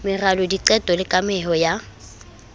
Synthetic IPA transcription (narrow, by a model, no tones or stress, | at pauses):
mɪralɔdiǃɛtʼɔlɪkʼamɛɦɔja